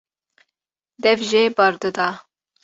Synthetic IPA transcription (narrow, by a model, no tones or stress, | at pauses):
d̪ɛvʒebɑɾd̪ɨd̪ɑ